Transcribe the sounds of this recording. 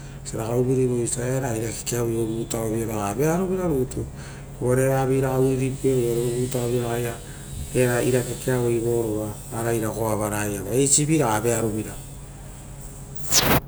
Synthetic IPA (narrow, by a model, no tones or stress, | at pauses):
seɾaɡauβiɾiβoitaeaɾaiɾake̥keawejβoβutaoβiaɾaabeaɾoβiɾaɾuːtu | βaɾeɾaːβijɾaawɾiɾipojoɾoɾoβutaɾiɾaaja | eɾaiɾakekeawejβo̞ɾoβaː | ɾaiɾakoaβaɾajaβaejsibiɾaabe̞aɾoβiɾa